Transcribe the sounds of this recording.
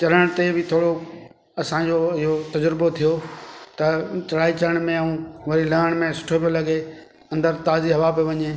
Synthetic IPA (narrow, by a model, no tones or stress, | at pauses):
t͡ɕɐɾəɽ̃t̪ebɪt̪ʰoːɽo | ɐsãːd͡ʑoɪɦot̪ɐd͡ʑəɾɪbot̪ʰijot̪ɐt͡ɕɐɽaːit͡ɕɐɾəɽ̃mẽɐũːʋɐɾilɐɦəɽ̃mẽsʊ̥ʈʰopijolɐɡe | ɐ̃nd̪əɾt̪aːziɦɐʋapoʋɐɲeː